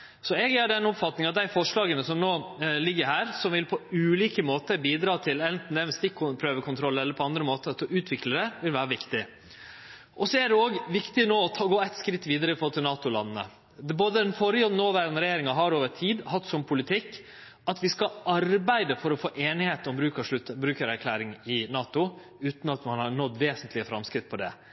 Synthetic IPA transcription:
sɔɛɡæɖɛnɔpfɑt̪nɪŋɑt̪̚d̪æɪfɔʂɭɑːɡənəsɔmnoːlɪɡːəɾɦæːɾsɔmʋɪlpʰɔʉːliːkəmoːt̪əbiːd̪ɾɑːt̪ʰɪlɛnt̪n̩d̪ɛæʋɛsd̪ɪkʰːʊpʰɾøːʋəkʰʊnt̪ʰɾɔlːəɛlːəɾpʰɔɑnd̪ɾəmoːt̪ət̪ɔʉːt̪ʰʋɪkləɾɛʋɪlʋæːɾəʋɪkt̪ɪ | ʔɔsɔæɖɛoːɡʋɪkt̪ɪnoːɔt̪ʰɑːɡoːæɪt̪skɾɪt̪ːʋiːd̪əɾəɪfɾoːlt̪ʰɪlnɑːt̪ʊlɑ̰nːnə̰ | boːd̪əɛnfɔɾɪɔnoːʋæːɾənəɾɛjeːɾɪŋɑɦɑɾoːʋəʈʰiːd̪hɑt̪ːsɔmpʰʊlɪt̪ʰɪkː | ɑt̪ʋɪskɑɑɾbæɪd̪əfɔɾɔfoːʔeːnɪheːt̪ɔmbɾʉːkəʂlʉt̪ːbɾʉːkəɾæɾkʰlæːɾɪŋɪnɑːt̪ʊ | ʉːt̪nɑt̪mɑnhɑɳɔt̪ːʋeːsənt̪lɪəfɾɑmskɾɪt̪̚ːpʰɔd̪ɛ̰

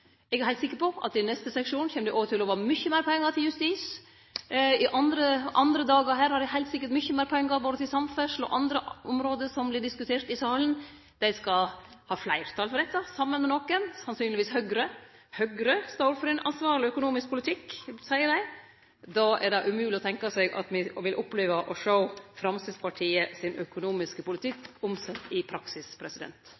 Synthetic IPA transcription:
ɛɡæɾhæɪt̪sɪkːəpɔʔɑ̰t̪ːɪnɛst̪əsɛkʂuːnçɛːməd̪æɪʔoːʋəɾʈ̪ʰɪlɔʋɑːmʏçːəmæɪɾpʰɔɛŋːəɾt̪ɪljʉst̪iːs | ɪʔɑnd̪ɾəʔɑnd̪ɾəd̪ɑːɡəɾɦæːɾhɑɾdɛhæɪlt̪sɪkːəʈmʏçːəmæːɾpʰɔɛŋːəɾboːd̪ət̪ʰɪlsɑmfœʂlɔ̰ʔɑnd̪ɾəʔɔmɾoːd̪əʂɔmblɪɖɪskʉt̪ʰeːɾt̪ɪsɑːlən | d̪̥æɪskɑ | hɑːflæɪɾt̪ʰɑːlfɔɾɖ̪ɛt̪ːɑsɑmːənmɛnɔkənsɑnsyːnlɪʋiːshœɡɾəhœɡɾəst̪oʊɾfɔɾɛnʔɑ̰nsʋɑːɾɭɪœkʊnuːmɪsk̚pʰʊlɪt̪ʰɪkːsæɪəɖæɪ | d̪ɑːʔɛ̰ɖɑʔʉmʉːlɪɔt̪ʰɛŋkɑsɛɪɡʔɑ̰t̪mɪʋɪlʔɔpːleːʋəʔɔʂəʊfɾɑmsɪspɑʈʰiːəsɪnœkʊnuːmɪskəpʊlɪt̪ʰɪkːʊmsɛt̪ːɪpʰɾɑksɪspʰɾɛsɪd̪ɛ̰nt̪

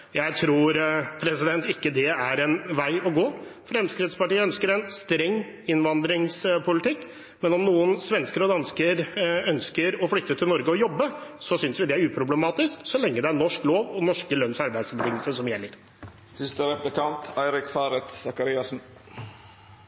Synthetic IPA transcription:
jæɪt̪ʰɾuːɾpʰɾɛsɪd̪ɛnt̪ɪkːəd̪ɛæɾɛnʋæɪɔɡoːfɾɛmskɾɪd̪spɑʈiːəœnskəɾɛnst̪ɾɛŋː | ɪnʋɑnd̪ɾɪŋspʰʊlɪt̪ɪkː | mɛnɔmnuːənsʋɛnskəɾəɔd̪ɑnskəɾœnskəɾɔflʏt̪ːət̪ʰɪlnɔɾɡəɔjɔbːəsɔsʏnsʋɪd̪ɛæɾʉːpʰɾʊblɛmɑːt̪ɪsksɔlɛŋːəd̪ɛæɾɳɔʂkloːʋɔnɔʂkəlœnsɑɾbæɪd̪sbət̪ʰɪŋːəlsəsɔmjɛlːəɾ | sɪst̪əɾɛplɪkɑnt̪ʰæɪɾɪkfɑːɾɛt̪sɑkɑɾɪɑsn̩

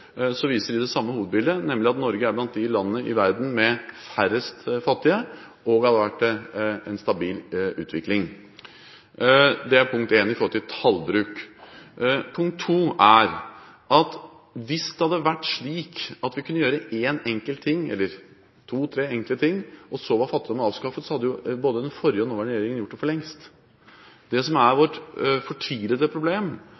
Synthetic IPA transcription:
sɔʋiːsəɾɪd̪ɛsɑmːəhuːʋəd̪̚bɪld̪ənɛmːlɪɑt̪nɔɾɡəæɾblɑnt̪̚d̪ɪlɑnːənəʔɪʋæɾd̪n̩mɛfæɾəst̪fɑt̪ːɪə | ɔɡhɑd̪əʋæʈːɛnst̪ɑbiːlʉ̰ːt̪ʰʋɪklɪŋ | d̪ɛæɾpʰʊŋk̚t̪eːnɪfɔɾɔlt̪ʰɪt̪ʰɑlbɾʉːk | pʰʊŋk̚t̪ʰːuːæɾ | ʔɑt̪ | ʋɪsd̪ɛhɑd̪ːəʋæʈːʂɭiːkɑt̪ʋɪkʰʉnːəjøːɾəeːnɛŋkəlt̪ʰːɪŋːɛ̰lːəɾ | t̪ʰuːt̪ʰɾeːɛŋklət̪ʰɪŋːʔɔsɔʋɑɾfɑt̪ːɪd̪ɔmːəɑːʋskɑfət̪sɔhɑd̪ːɛjʊboːd̪əd̪ɛnfɔɾjəɔnoːʋəɾɛjeːɾɪŋənjʊʈːd̪ɛfɔɭɛŋst̪ | d̪ɛsɔmæɾʋɔʈfɔʈʰiːləd̪əpʰɾʊbleːm

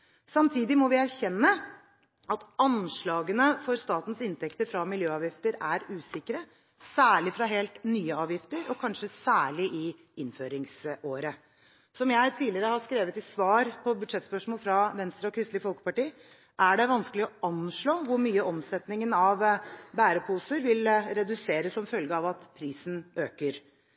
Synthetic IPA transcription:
sɑmt̪ʰiːd̪ɪmɔʋɪæɾçɛnːə | ʔɑt̪ɑnʂɭɑːɡənəfɔɾst̪ɑːt̪n̩sɪnt̪ʰɛkt̪əɾfɾɑmɪljøːɑːʋjɪft̪əɾæɾʉːsɪkəɾə | sæːɭɪfɾɑɦeːlt̪nyːəɑːʋjɪft̪əɾɔkʰɑnʂəsæːɭɪʔɪ | ɪnføːɾɪŋsoːɾə | sɔmjæɪt̪ʰiːlɪəɾəhɑʂkɾeːʋət̪ɪsʋɑːɾpʰɔbʉd̪ʂɛt̪spœʂmoːlfɾɑʋɛnst̪ɾɑɔkʰɾɪst̪ɪəfɔlkə̥pɑʈiː | ʔæɖɛʋɑnskəlɪɔʔɑnʂɭoːʋʊɾmyːəɔmsɛt̪nɪŋənɑʋbæːɾəpʰuːsəɾʋɪlɾɛd̪ʉseːɾəssɔmfœlɡəɑʋɑt̪pʰɾiːsn̩ʔøːkəɾ

